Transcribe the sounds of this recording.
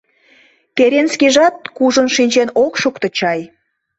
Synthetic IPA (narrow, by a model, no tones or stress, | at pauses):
t̪eɾenskʲiʒɑt̪̚kuʒə̆nʃinʲt͡ɕenokʃukt̪ə̆t͡ɕɑj